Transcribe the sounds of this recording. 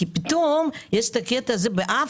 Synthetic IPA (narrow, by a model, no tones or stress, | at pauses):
ipit̪omjeʃt̪aketazebeʔa